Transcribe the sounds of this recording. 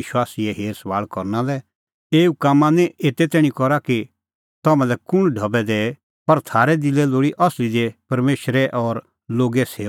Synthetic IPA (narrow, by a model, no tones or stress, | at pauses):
ɪʃwaːsiɛɦeːɾsɐʋaːɭkɔɾnalɛ | eːukaːmːãnɛ̃eːt̪et̪ɛːɽ̃ĩkɔɾaki | t̪ɐmɛ̃lɛkʊnɖʱɐbɛd̪ɛ | pɐɾt̪ʰaːɾɛd̪ɪlɛloːɽiʔɔslid̪epɐɾmeːʃɾɛʔɔɾ | loːɡɛsʰeː